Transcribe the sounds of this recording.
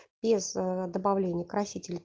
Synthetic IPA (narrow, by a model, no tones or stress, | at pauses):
b̥ʲɪzd̪əbavlʲenʲɪjəkɾɐsʲitʲɪlʲɪ